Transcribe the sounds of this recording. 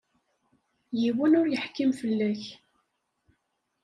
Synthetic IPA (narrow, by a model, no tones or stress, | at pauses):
jiwənʊɾjəħkːimfəlːæç